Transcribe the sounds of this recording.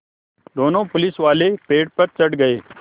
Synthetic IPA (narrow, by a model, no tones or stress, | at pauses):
d̪ʱoːnõːpʊlɪsʋaːleːpeːʈpəɾt͡ʃəɽɡəeː